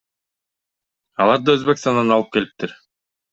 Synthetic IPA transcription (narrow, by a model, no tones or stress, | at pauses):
ɑlˠɑɾd̪ɑøzbekst̪ɑnd̪ɑnɑlˠɯp̚ke̞lip̚t̪iɾ